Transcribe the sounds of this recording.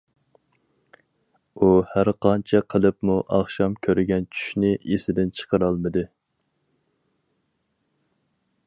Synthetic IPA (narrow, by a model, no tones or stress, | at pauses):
uhæɾqʰɑnt͡ʃʰɛqʰəlˠɨpmuʔɑχʃɑmkʲʰøɾɡʲɛnt͡ʃʰy̥ʃnɪʔesɪd̪ɪnt͡ʃʰə̥qəɾɑlˠmɨd̪ɨ